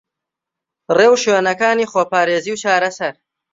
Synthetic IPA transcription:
reːwʃweːnɐkaːniːxoːpaːɾeːziːwt͡ʃaːɾɐsɐɾ

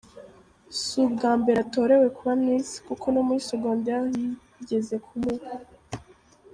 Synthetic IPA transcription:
subɡaːmbeɾato̞ːɾe̞we̞kuβamniːsi̥kukʰo̞nomuisuɡoːndahi | ɟe̞ze̞kʰumuk

